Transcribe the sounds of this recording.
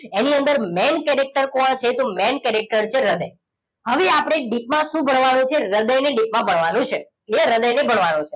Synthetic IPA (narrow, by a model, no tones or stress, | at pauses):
eniənd̪əɾmɛnkɛɾek̚ʈəɾkoãt͡ʃʰet̪omɛnkɛɾek̚ʈəɾt͡ʃʰeɾəd̪əj | həʋeapɽ̃eɖik̚mãʃũbʱəɳʋanũt͡ʃʰeɾəd̪əjneɖik̚mãbʱəɳʋanũt͡ʃʰe | eɾəd̪əjnebʱəɳʋanũt͡ʃʰe̥